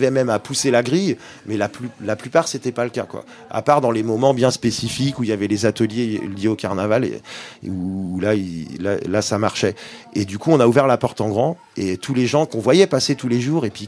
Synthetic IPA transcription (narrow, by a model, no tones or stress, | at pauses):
vɛmɛmapuselaɡʁij | mɛlaplylaplypaʁset̪ɛpaləka̰kwa̰ | a̰paʁd̪ɑ̃lemɔmɑ̃bjɛ̃spesifikuijavɛlezat̪əljeljeokaʁnavalḛuːlailalasamaʁʃɛed̪ykuɔ̃nauvɛʁlapɔʁt̪ɑ̃ɡʁɑ̃ | et̪ʰuleʒɑ̃kɔ̃vwajɛpaset̪uleʒuʁepɥi